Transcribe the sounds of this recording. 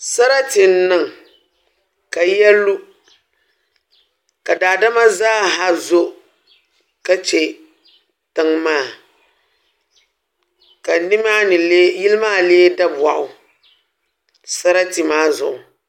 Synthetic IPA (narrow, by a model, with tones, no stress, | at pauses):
sa˦ɾa˦tɪ˨n̩˦nɨ˨ŋ˨ | ka˨jɛ˦lːu˦ | ka˨daː˨da˦ma˦zaː˦ɦa˦zo˦ | ka˦t͡ʃɛ˨ | tɨ˦ŋmaː˦˨ | ka˨˦nɪ˦maː˦nɨ˨le˦ji˦lɨ˦maː˦˨leː˦da˦ba˨ʔʊ˨ | sa˦ɾa˦ti˨maː˦zʊ̰˨ʔʊ˨